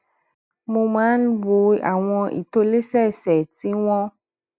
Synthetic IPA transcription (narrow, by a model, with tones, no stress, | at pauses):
mũ˧mã˨˦n˦bo˨a̰˨w̃ɔ̃˧ʔḭ˨t̪o˦le˦sɛ˦˨sɛ˨t̪i˦w̃ɔ̃˦